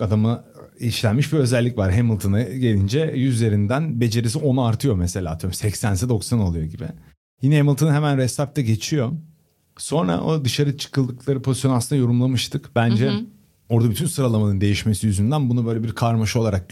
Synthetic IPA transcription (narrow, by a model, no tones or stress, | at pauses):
ad̪ama | iʃlʲænmiʃbiø̞zælʲːicvaɾɦemilˠt̪ʰɯnaɟe̞lʲind͡ʒɛjyzje̞ɾind̪ænbe̞d͡ʒe̞ɾis̬io̞naaɾt̪ʰɯjo̞mese̞lʲaːt̪ʰɯjɾmsɛcsænsɛd̪o̞ksano̞lˠujo̞ɟibɪ̰ | jinɛemilˠt̪ʰɯnɦemænɾɛst̪ap̚t̪ʰɛɟe̞t͡ʃʰijo̞ | so̞nɾa̰ʔod̪ɯʃaɾɯt͡ʃʰɯ̥kɯlˠd̪ɯklˠaɾɯpʰo̞zijo̞nasɯnajo̞ɾumlˠamɯʃt̪ʰɯkb̥ænd͡ʒɛ | o̞ɾd̪abyt̪ʰynsɯɾalˠamanɯnd̪e̞jiʃme̞sijyzynd̪ænbunubø̞jlʲebiɾkʰaɾmaʃo̞lˠaɾak̚